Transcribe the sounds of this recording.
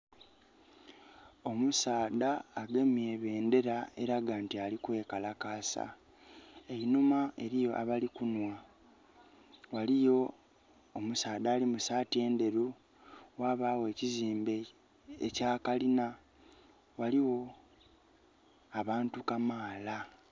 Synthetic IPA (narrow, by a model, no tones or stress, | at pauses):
o̞musaːdaːɡe̞mieβe̞ːnde̞ɾaeɾaɡaːntialikwe̞ːkalakaːsa̰ | einumaʔe̞ɾijo̞ʔa̰βalikunwa | walijoː | musaːðaːlimusaːtie̞ːnde̞ɾu | waːβaːwe̞ːciziːmbe | ecaːkalina | waliwo̞ | aβaːntukamaːla